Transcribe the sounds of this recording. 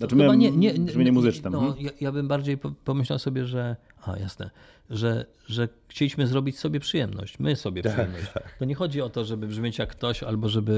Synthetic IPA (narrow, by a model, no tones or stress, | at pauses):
ambaɲɛɲɛmɘɲɛmuzɘt͡ʂnɛmnɔjajabɘmbaɾd͡ʑejpɔpɔmɘɕlawsɔbʲjɛʐɛ | a̰ja̰snɛ̰ | ʐɛ | ʐɛxt͡ɕelʲiɕmɘzɾɔbʲit͡ɕsɔbʲjɛpʂɨjɛmnɔ̰ɕt͡ɕmɘsɔbʲjɛʂɨɛmnɔt͡ɕt͡ɕt̪ɔɲɛxɔd͡ʑiɔt̪ɔʐɛbɘbʐmʲjet͡ɕjakːt̪ɔɕa̰lbɔʐɛbɘ